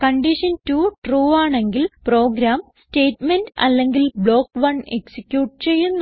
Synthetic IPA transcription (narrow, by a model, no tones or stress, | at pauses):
kɐɳɖiʂɐntuʈruːaːɳe̞ŋɡilpro̞ːɡɾaːmste̞ːtmendɐ̰lːe̞ŋɡilbɭo̞ːkːʋɐɳeksikʲːjuːʈ̚t͡ɕe̞jːunː